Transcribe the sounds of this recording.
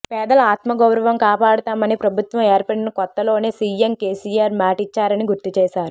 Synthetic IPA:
pɛːd̪ɐlɐaːt̪mɐɡɐwɾɐʋɐmkaːpaːɽɐt̪aːmɐnipɾɐbʱut̪ʋɐmeːɾpɐɽinɐkɔt̪ːɐlo̞ːneːsiːjemkeːsiːjaːɾmaːʈit͡ʃːaːɾɐniɡuɾt̪it͡ʃɛːsaːɾu

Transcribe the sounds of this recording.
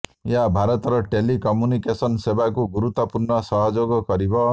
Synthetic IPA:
jabʱaɾɔt̪ɾʌʈelikɔmjunikesʌnsebakuɡuɾut̪ːɔpurnʌsʌɦɔd͡ʒoɡɔkʌɾibʌ

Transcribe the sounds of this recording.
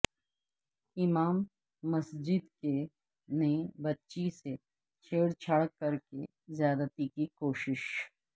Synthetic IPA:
ɪmaːmː | ɐsd͡ʒɪd̪ke | nebɐtːʃise | t͡ʃʰeːɽt͡ʃʰɐɽkːɐɾke | zjaːd̪ət̪ikikoːʃɪʃ

